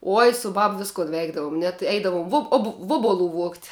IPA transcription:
ˈoːj sʊ ˈbɐp ˈʋʲɪskʊn ˈʋʲɛɪɡdɐʋʊm nʲɛt ˈɛɪdɐʋʊm ˈʋʊp oːp ˈʋuɔbʊˌlˠʊ ʋuɔktʲ

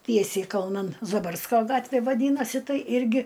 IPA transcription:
ˈtʲiɛsʲɛɪ kɐlˠˈnɐn zɐˈbɐrskoː ˈɡɑːtʲʋʲeː ʋɐˈdʲiːnɐsʲɪ ˈtɐɪ ˈɪrʲɡʲɪ

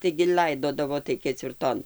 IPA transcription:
tɐɪɡʲɪ ˈlʲɐɪdoːdɐʋoː tɐɪ kʲɛt͡sʲʋʲɪrˈtoːn

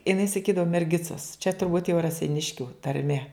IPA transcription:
ɪˈnɐɪ sɐˈkʲiːdɐʋʊ mʲɛrʲˈɡʲɪt͡sɐs t͡ʃʲɛ tʊrˈbuːt jɛʊ rɐsʲɛɪˈnʲɪʃʲkʲʊ tɐrʲˈmʲɛ

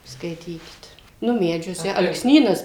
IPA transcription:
ˈskɐɪtʲiːkʲɪt ˈnʊ ˈmʲæːd͡ʒʲuɔsʲɛ ɐlˠksʲˈnʲiːnɐs

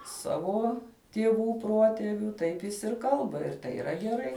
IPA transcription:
ˈsɑːʋoː tʲiɛˈʋuː ˈpruɔtʲɛʋʲʊ ˈtɐɪp jɪs ɪr ˈkɐlˠbɐ ɪr tɐɪ iːˈrɐ ɡʲɛˈrɐɪ

